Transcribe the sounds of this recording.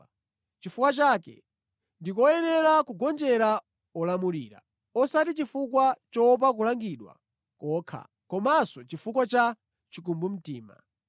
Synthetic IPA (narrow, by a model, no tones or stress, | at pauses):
t͡ʃifukwat͡ʃakɛ̰ | ndikɔjɛnɛɾakuɡɔnd͡ʒɛɾa | ɔlamuliːɾa̰ | ɔsatit͡ʃifukwat͡ʃɔp̬ak̬ulaŋɡiɗwa̰ | kɔːkʰa̰ | kɔmasɔt͡ʃifukwat͡ʃa | t͡ʃikumbum̩tiːma̰